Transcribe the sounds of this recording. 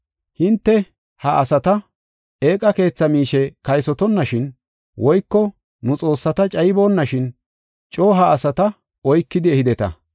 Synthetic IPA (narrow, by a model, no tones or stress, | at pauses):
hɪnt̪ːɛ | hɐʔɐsɐt̪ɐ | eːkʼːɐke̞ːt͡sːɐmiːʃɛkɐjsɔt̪ɔnːɐʃɪn | wɔjkːɔ | nʊt͡sʼo̞ːsːɐt̪ɐt͡ʃʼɐjbo̞ːnːɐʃɪn | t͡ʃʼoːɦɐːsɐt̪ɐ | ɔjkːɪd̪ɪɛhɪd̪ɛt̪ɐ̰